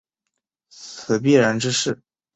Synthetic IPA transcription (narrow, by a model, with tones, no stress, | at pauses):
t͡sʰɹ̩˨˩p̬i˥˩ɻə˧˥nʈ͡ʂɻ̩˥ʂɻ̩˥˩